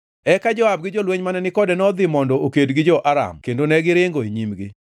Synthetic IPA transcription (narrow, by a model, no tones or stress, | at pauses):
ɛkad͡ʒɔab̚ɡɪd͡ʒolweɲmanɛnɪkɔdɛnɔd̪ɪmɔndɔokedɡɪd͡ʒɔʔaɾa̰mkendonɛɡɪɾɪŋɡoeɲimɡɪ